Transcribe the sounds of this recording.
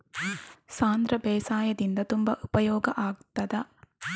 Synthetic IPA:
saːnd̪ɾɐbɛːsaːjɐd̪ind̪ɐt̪umbɐʔupɐjɔːɡɐʔaːɡ̚t̪ɐd̪ɐ

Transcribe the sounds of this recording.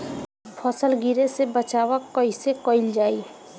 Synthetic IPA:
pʰɔsəlɡiɾesebət͡ʃaːwakɔisekɔɪld͡ʒaːi

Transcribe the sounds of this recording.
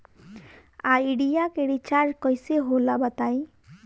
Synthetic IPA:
aiɽijakeɽit͡ʃaɾkɔjseɦolabət̪aj

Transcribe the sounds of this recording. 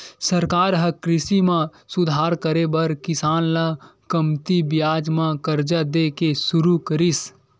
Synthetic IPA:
səɾkaːɾɦəkɾɪsimã | sʊd̪ʱaːɾkəɾebəɾkɪsaːnlakəmt̪ibjaːd͡ʒmãkəɾd͡ʒad̪ekesʊɾukəɾis

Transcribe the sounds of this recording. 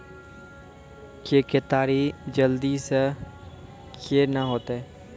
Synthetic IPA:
keket̪aːɾid͡ʒəld̪is | kʰeɾnaɦoːt̪eɛː

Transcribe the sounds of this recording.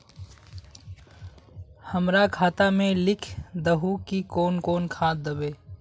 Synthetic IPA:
hɐmɾakʰaːt̪amẽlɪkʰd̪əɦukikoːnkoːnkʰaːd̪əbeː

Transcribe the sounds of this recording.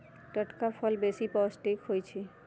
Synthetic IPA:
ʈəʈkapʰəlbesipɔsʈikɦojt͡ʃʰi

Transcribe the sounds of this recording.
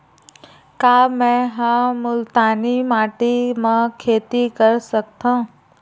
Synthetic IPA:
kaːmɛ̃ɦãmʊlt̪aːnimaːʈimãkʰeːt̪ikəɾsɐk̚t̪ãũ

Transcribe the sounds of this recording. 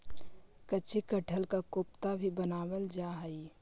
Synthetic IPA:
kət͡ʃʰikəʈʰəlkakopt̪abʱibənaːwəld͡ʒaɦəi

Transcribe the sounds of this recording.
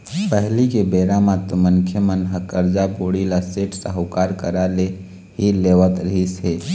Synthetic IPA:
pəɦlikebeɾamat̪mənkʰjəmənɦəkəɾd͡ʒaboɽilaseʈsəɦukaɾkəɾale | ɦileʋət̪ɾəɦisɦe

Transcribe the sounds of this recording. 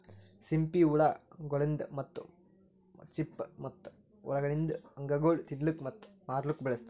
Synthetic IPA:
simpiuɭaɡɔɭend̪ɐmɐt̪ːu | t͡ʃipːmɐt̪ːu̥ | ṵɭɐɡɐɭind̪ɐɐŋɡɐɡoːɭt̪inlukmɐt̪ːmaːɾlukːbɛɭɐst̪

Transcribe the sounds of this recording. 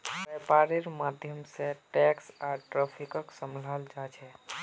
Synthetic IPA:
bepaɾeɾmad̪ʱjəmsẽʈɛksaʈɾapʰikəksəmləld͡ʒat͡ʃʰɛ

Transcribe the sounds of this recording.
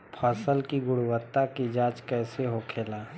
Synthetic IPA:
pʰaːsəlkiɡʊɽuwət̪ːakid͡ʒaːt͡ʃkɛːseɦokʰeːlaː

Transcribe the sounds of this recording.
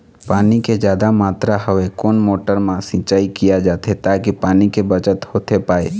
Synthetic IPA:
paːniked͡ʒjaːd̪amaːt̪ɾaɦəʋekoːnmoːʈəɾmãsɪ̃ːt͡ʃaːikijad͡ʒaːt̪ʰet̪aːkipaːnikebət͡ʃət̪hoːt̪ʰepaːḛ

